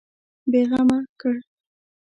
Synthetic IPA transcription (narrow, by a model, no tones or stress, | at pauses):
beɣɑmakəɽ